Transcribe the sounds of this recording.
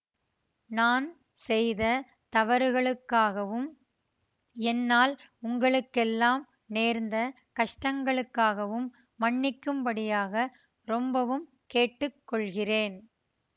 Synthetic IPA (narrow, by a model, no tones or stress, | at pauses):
naːn | sɛjðɐ | t̪ɐʋɐɾɯɣɐɭɯkːaːɣɐʋɯm | ɛnːaːl | ʊŋɡɐɭɯkːɛlːaːm | neːɾnd̪ɐ | kɐʂʈɐŋɡɐɭɯkːaːɣɐʋɯmː | ɐɳːɪkːɯmpɐɽɪjaːɣɐ | ɾɔmbɐʋɯm | keːʈːɯkːɔɭɣɪreːn